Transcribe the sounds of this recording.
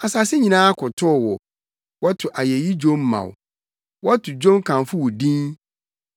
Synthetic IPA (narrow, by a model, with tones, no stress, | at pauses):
a˨sa˨sɪ˦ɲĩ˨nãː˦a˦kʰʊ˨tʰʊ˦˨wɔ˨ | wɔ˦tʰʊ˨ʔa˨jɛ˨ji˦d͡ʑõ˦mː˦ã̰˨w | wɔ˦a˦tʰʊ˨d͡ʑõ˦mkʰã˨n˨fʊ˦wɔ˨dĩ˦n